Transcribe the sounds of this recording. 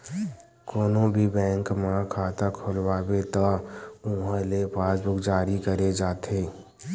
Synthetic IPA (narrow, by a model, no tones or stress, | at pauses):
koːnõbʱibɛ̃ːŋkmãkʰaːt̪akʰʊlwaːbet̪aũːɦəlepʰaːsbʊkd͡ʒaːɾikəɾed͡ʒaːt̪ʰeː